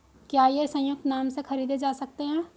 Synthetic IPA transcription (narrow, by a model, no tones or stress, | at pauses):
kjaːjesɐ̃jʊk̚t̪naːmsexɐɾiːd̪ed͡ʒaːsɐk̚t̪eɦɛ̃ː